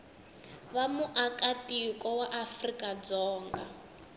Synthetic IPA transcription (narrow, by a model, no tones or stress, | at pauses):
βamuʔakatikɔwaʔafrikʼad͡zɔːŋɡa̰